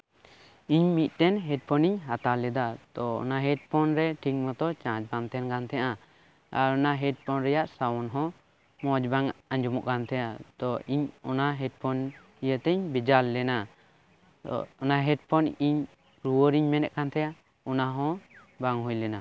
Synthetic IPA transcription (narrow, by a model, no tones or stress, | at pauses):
iɲmit̪̚ˀt̪ɛnɦɛʈ̚pʰɔniɲɦat̪alɛd̪ad̪ɔɔ̰naɦɛʈ̚pʰɔnɾɛʈʰiŋmɔt̪ɔt͡ʃãd͡ʒbaŋt̪ɛnkant̪ʰɛjaʔa | aɾɔnaɦɛʈ̚pʰɔnɾɛjaʔsawɔnɦɔ̃ | mɔd͡ʒbaŋaɲd͡ʒumɔ̰ʔkant̪ʰɛjad̪ɔʔiɲɔ̰naɦɛʈ̚pʰɔn | ijət̪ɛɲbid͡ʒalːɛna | ɔnaɦɛʈ̚pʰɔniɲ | ɾuwəɾiɲmɛnɛ̰ʔ̚kʰant̪ʰɛja | ɔnaɦɔ̃ | baŋɦujlɛna